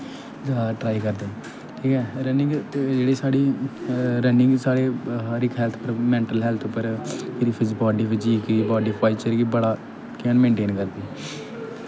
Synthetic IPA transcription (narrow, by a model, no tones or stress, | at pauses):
zaːd̪aʈɾaːikəɾd̪eː | ʈʰiːkɛːɾənɪ̃ŋɡd͡ʒeːɽiːsaːɽiː | ɾənɪ̃ŋɡsaːɽeːɦaɾɪkɦɛːlt̪ʰpəɾmɛ̃ːɳʈəlɦɛːlt̪ʰʊpːəɾpʰɪɾiːpʰɪd͡ʒbɔːɖiːʋɪt͡ʃiːkiːbɔːɖiːpʰaːit͡ʃəɾɡiːbəɽaː | kɛnmẽːɳʈeːnkəɾd̪eː